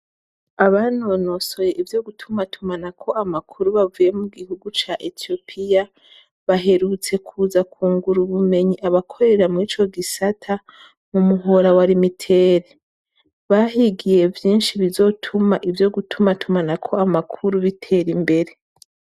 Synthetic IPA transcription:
aβano̞noso̞je̞ʔivjo̞ɡutʰumatʰumanakʰo̞ʔamakʰuɾuβavuje̞muɡihuɡut͡ʃaʔetijo̞pʰija | βaɦe̞ɾut͡se̞kʰuːzakʰuːŋɡuɾuβume̞ɲiʔaβakʰo̞ɾe̞ɾamŋiːt͡ʃo̞ɡisatʰa | mumuɦo̞ɾawaɾimitʰe̞ːɾe | βahiɡije̞vjiːnʃiβizo̞tʰumaʔivjo̞ɡutʰumatʰumanakʰo̞amakʰuɾuβitʰe̞ːɾimbe̞ɾe̞

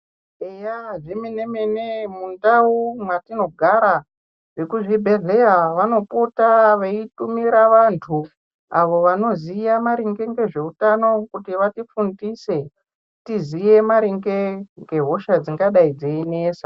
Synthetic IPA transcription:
ejaʐimenemenemundaumwatino̞ɡʱaɾa | ʋekuʐibʱe̞ɮejaʋano̞putaʋeitumiɾaʋantʰu | aʋo̞ʋano̞zijamaɾiŋɡe̞ŋɡe̞ʐe̞utano̞kutiʋatifundise̞ | tizije̞maɾiŋɡeŋɡe̞ɦo̞ʃad͡ziŋɡaɗaid͡zeineːsḁ

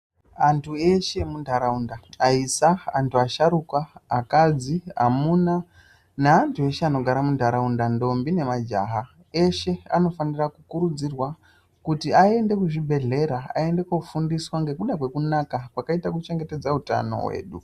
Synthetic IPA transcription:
antʰue̞ʃe̞mundʱaɾaundaaisaantʰuaʃaɾukaːkad͡ziɦa̰muna | naantʰue̞ʃeano̞ɡʱaɾamundʱaɾaundando̞mbine̞mad͡ʒa̰ːɦa | e̞ʃe̞a̰no̞fanirakukuɾud͡zirwa | kutiae̞nde̞kuʐibʱe̞ɮe̞ɾaa̰e̞nde̞kofundiswaŋɡe̞kuɗakwe̞kunakapwakaitak̬ut͡ʃe̞ŋɡe̞te̞d͡zauta̰no̞̰we̞̰ːɗu

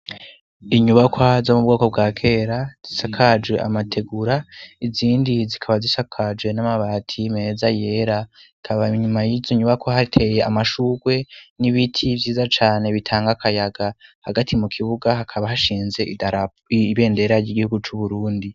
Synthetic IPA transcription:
iɲuβakwazo̞mub̚ɡoːko̞b̚ɡwaːkʰe̞ːɾaz̥isakʰad͡ʒwe̞ʔa̰matʰe̞ɡuɾaiziːndizikʰaβazisakʰad͡ʒwe̞namaβaːtʰime̞zaje̞ɾaikʰaβaɲumajizoɲuβakwahaɾitʰe̞je̞amaʃuːɡwe̞niβitʰivjiːzat͡ʃaːne̞βitʰaːŋɡakʰajaɡahaɡatimukʰiβuɡaɦakʰaβahaʃiːnze̞ʔidaa | βe̞ːnde̞ɾaɾɟiɡihuɡut͡ʃuβuɾuːndi

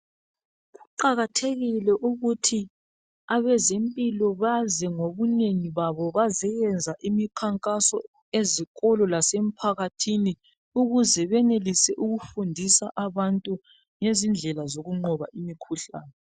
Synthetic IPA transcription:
ɣuǃaɣatʰeɣilɛʔuɣutʰi | aβɛzempʼilɔβazɛŋoβuneŋiβaβɔβazɛjɛnd͡zʱaʔimikʰaŋkʼasɔ̰ | eziɣɔlɔlasem̩pʰaɣatʰini | uɣuzɛβɛnelisɛʔuɣufundʱisaʔaβantʼu | ŋezind͡ɮʱɛlazoɣuŋ͡ǃɔβa̰ʔimikʰuɬa̰ːnɛ

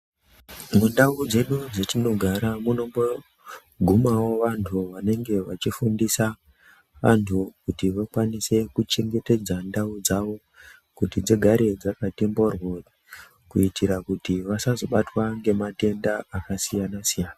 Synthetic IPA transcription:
mundaud͡ze̞ɗud͡zetino̞ɡʱaɾamuno̞mo | ɡʱumawo̞ʋantʰuʋane̞ŋɡe̞ʋat͡ʃifundisa | ʋa̰ntʰukutiʋakwanise̞kut͡ʃe̞ŋɡe̞ted͡zandaud͡zaʋo̞ | kutid͡ziɡʱaɾe̞d͡zakatemborwo | kuitiɾakutiʋasazo̞ɓatwaŋɡe̞mate̞ndaakasijanasijaːna

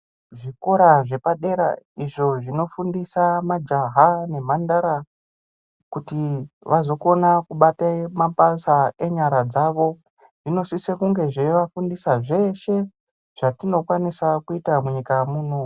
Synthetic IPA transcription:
ʐiko̞ɾaʐe̞paɗe̞ɾa̰iʐo̞ʐino̞fundisamad͡ʒaɦane̞mandaɾa | kutiʋazo̞ko̞nakuɓatamapasae̞ɲaɾad͡zaʋo̞ | ʐ̥ino̞sisekuŋɡe̞ʐeʋafundisaʐe̞ʃe̞ | ʐ̥atino̞kwanisakuitamuɲikamuːno̞

